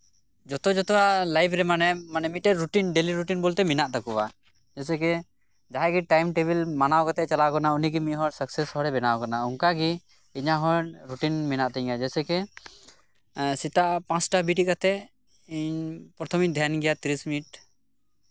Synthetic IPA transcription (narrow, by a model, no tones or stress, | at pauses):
d͡ʒɔt̪ɔd͡ʒɔt̪ɔwaʔlajbʰɾɛmanɛmanɛmiʈɛɾuʈinɖeliɾuʈinbɔlt̪ɛminaʔt̪akuwa | d͡ʒɛsɛkɛ | d͡ʒaɦɛɡiʈajmʈebilmanawkɔt̪ɛt͡ʃalakɔnauniɡimiʔɦɔɾsəksɛshɔɾɛbɛnawkanauŋkaɡi | iɲaɦɔɾuʈinminaʔt̪ɛɲɡad͡ʒɛsɛkɛ | sit̪aʔpãsʈabiʈiʔkat̪ɛ | iɲpɾɔt̪ʰɔmid̪ʱjanɡɛjat̪iɾismiiʈ̚